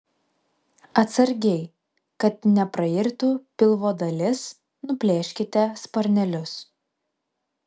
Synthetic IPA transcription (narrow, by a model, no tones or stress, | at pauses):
ɐt̪sɐɾʲɡʲɛɪ | kɐt̪nʲɛpɾɐɪɾʲt̪upʲɪlˠʋoːd̪ɐlʲɪs | nʊpʲlʲeːʃʲkʲɪt̪ʲɛspɐɾʲnʲɛlʲʊs